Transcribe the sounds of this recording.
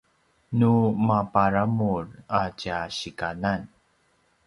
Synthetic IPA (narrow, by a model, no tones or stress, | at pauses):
numapaɾamuracaɕikanan